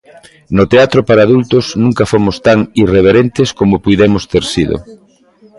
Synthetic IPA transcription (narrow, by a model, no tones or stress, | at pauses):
nʊt̪eat̪ɾopaɾaːðult̪ʊsnũŋkɐfomʊst̪aŋireβ̞eɾent̪eskomopujðemʊst̪eɾsiðo̰